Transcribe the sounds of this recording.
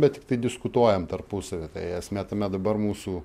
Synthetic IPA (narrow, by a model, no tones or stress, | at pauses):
bʲɛt̚tʲɪkt̪ɐɪdʲɪskʊt̪uɔjɛmt̪ɐrpʊsɐʋʲet̪ɐɪɛsʲmʲæːt̪ɐmʲɛd̪ɐbɐɾmuːsuː